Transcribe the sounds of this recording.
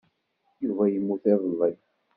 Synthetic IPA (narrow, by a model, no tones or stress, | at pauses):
juvæjəmːuθæðˤəlːi